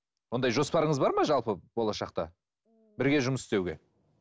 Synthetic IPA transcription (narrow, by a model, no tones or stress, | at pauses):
wo̞nd̪ɑjʒo̞spɑɾəɴəzbɑɾmɑʒɑlˠpəb̥o̞lˠɑʃɑq̚t̪ɑ̰ | bɪɾɡʲe̞ʒʊməsɪst̪ewɡʲe̞̰